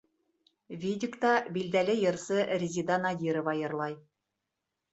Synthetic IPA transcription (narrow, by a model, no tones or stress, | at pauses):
vʲidʲɪkt̪ɑbild̪ælɘjɤ̆ɾsɤrʲɪzʲid̪ɑnɑd̪ʲiɾŏvɑjɤ̆ɾlˠɑj